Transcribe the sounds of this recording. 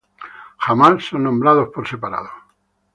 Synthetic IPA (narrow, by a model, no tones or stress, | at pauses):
xamassonːõmbɾaðospoɾse̞paɾa̰ðo